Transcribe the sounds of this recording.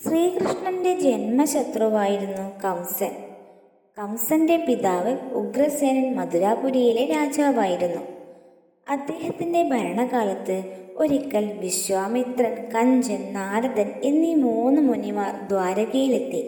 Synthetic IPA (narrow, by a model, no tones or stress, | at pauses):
sriːkrɨʂɳɐnde̞d͡ʑe̞nmɐɕɐt̪rɐʋaːjiɾunːukɐwsɐn | kɐwsɐnde̞piðaːʋɨuɡrɐseːɾɐnmɐd̪uɾaːpuɾijileɾaːd͡ʑaːʋaːjiɾunːu | ɐd̪ːe̞ːhɐt̪ːinde̞bʱɐjɐɳɐɣaːlɐt̪ːɨo̞ɾikːɐlʋiɕʋaːmit̪rɐnkɐɲd͡ʑɐnnaːɾɐd̪ɐnenːimuːnːɨmunimaːrd̪ʋaːɾɐɣɐjile̞t̪ːi